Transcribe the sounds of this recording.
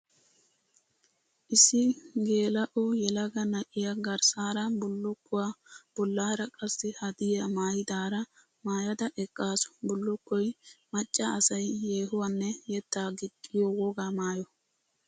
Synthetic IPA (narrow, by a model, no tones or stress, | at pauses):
ʔɪsɪɡe̞ːlɐʔɔjɛlɐɡɐnɐʔɪjaɡɐɾsaːɾɐbʊlːʊkːʊwab̥ɔlːaːɾɐkʼɐsːɪhɐd̪ɪjɐmaːjɪd̪aːɾɐ | maːjɐd̪ɐʔɛkʼːaːsɔ̥bʊlːʊkːɔjmɐt͡ʃʼːɐːsɐjjeːɦʊwanːɛjɛt̪ːaːɡɪt̪ʼːɪjɔwɔɡamaːjɔ